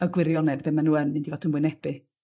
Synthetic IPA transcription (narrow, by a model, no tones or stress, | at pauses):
əɡwɪɾjɔnɛvbɛmanuːənɪndivɔtɪnmwɪnɛb̥ɨ